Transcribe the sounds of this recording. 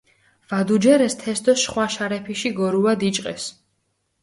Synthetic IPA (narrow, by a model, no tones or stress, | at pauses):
v̥ad̪ud͡ʒɛɾɛst̪ʰɛsd̪ɔsʃχwaʃaɾɛpʰiʃiɡɔɾuad̪it͡ʃʼqʼɛs